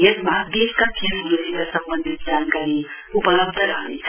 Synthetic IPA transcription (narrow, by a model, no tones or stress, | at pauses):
etmad̪eskakʰeɾosikasʌmbənd̪ʱit̪̚d͡zankaɾi | upʌlʌbd̪ʱʌɾʌɦnet͡sʰ